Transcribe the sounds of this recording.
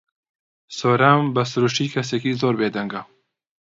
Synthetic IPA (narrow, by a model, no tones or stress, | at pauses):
soːɾambɐsʊɾuʃtiːkʰɐseːkiːzoːɾbeːd̪ɐŋɡɐ